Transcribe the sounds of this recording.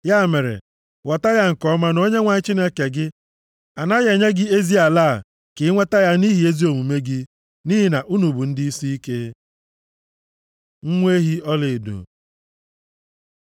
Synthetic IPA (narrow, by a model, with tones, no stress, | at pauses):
ja˦˨me˨ɾḛ˨ | wɔ˨ta˦ja˦ŋ̩˨kɔ˦ma˦no˦ɲe˦ŋʷa˨ɲɪ˦t͡ʃi˦ne˦ke˨ɡɪ˦ | a˨na˦ɣe˨ɲe˦ɡɪ˦e˦zi˦a˨la˦˨ | kɪ˨˦ŋʷe˦ta˦ja˦ni˦ɦi˨e˦zi˦o˨mu˨me˦ɡɪ˦ | ni˦ɦi˨na˨ʔu˦nu˨bu˨n̩˦dɪ˦i˦si˦i˦ke˦ | ŋ̩˦ŋʷe˦ɦi˦ɔ˦lɪ˨dṵ˨